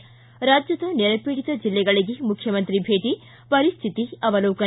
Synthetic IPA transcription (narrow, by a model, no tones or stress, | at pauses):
ɾaːd͡ʒjɐd̪ɐnɛɾɐpeːɽit̪ɐd͡ʒilːɛɡɐɭiɡemukʰjɐmɐnt̪ɾibʱeːʈ̪i | pɐɾist̪ʰit̪iɐʋɐloːkɐ